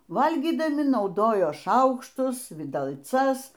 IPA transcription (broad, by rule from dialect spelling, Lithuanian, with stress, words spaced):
ˈʋɐlʲɡʲiːdɐmʲɪ nɐʊˈdoːjoː ˈʃɐʊkʃtʊs ʋʲɪdɐlˠˈt͡sɐs